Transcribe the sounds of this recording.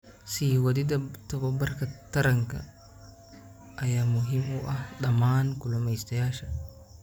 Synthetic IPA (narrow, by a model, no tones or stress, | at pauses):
siːwɐd̪id̪ɐt̪ɐbɐbɐɾkɐt̪ɐɾɐŋkɐ̰ | ʔɐjamʊɦimuʔɐhɗɐmaːnkulɔmɐjst̪ɐjaːʃɐ